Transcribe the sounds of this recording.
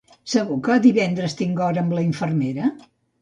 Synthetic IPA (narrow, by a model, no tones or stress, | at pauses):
səɣukəðiβɛnd̪ɾəst̪iŋɡɔɾəːmbləiɱfərmeɾə